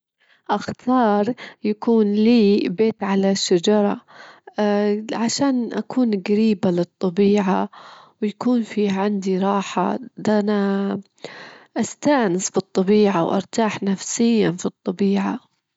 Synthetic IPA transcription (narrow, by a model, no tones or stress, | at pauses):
ʔaxt̪ʰɑːɾˤjakuːnliːbeːt̪ʕalaʃːad͡ʒɑɾˤɑ̰ | ʕaʃaːnʔa̰kuːnɡaɾiːbalɨt̪ˤːɑbiːʕawjakuːnfiːʕand̪iɾˤɑːħa̰d̪ʔana | ʔast̪aːnɪsfɨt̪ˤːɑbiːʕawʔɑ̰ɾˤt̪aːħnafsɪjːanfit̪ˤːɑbiːʕa